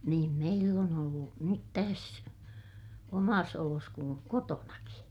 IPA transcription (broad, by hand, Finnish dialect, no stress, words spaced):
niːm meilː on olːu nyt tæs omɑs olos kuŋ kotonɑki